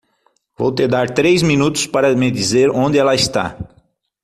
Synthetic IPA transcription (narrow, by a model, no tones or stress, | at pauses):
vo̰wt̪ed̪aɾt̪ɾejzminut̪ʊ̥spaɾɐmɪd̪izeɾõnd̪ɪɛlɐɪst̪a̰